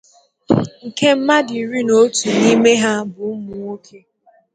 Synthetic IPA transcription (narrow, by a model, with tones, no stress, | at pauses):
ŋ̩˨ke˦m̩˦ma˦di˨ɾi˦no˦tu˨ni˦me˦ɦa˦bʊ˨˦mʊ˨ŋo˦kʰe˦